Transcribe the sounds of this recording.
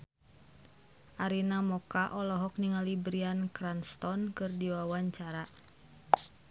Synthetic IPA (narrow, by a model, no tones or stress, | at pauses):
ʔaɾinamɔkaʔɔlɔɦɔk̚niŋalibɾiankɾanst̪ɔnkɨrdiwawaɲt͡ʃaɾa